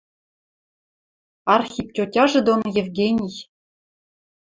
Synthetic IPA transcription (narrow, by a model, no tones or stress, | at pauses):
ɑrxʲip̚tʲotʲɑʒɘ̆d̪onjevɡʲenʲij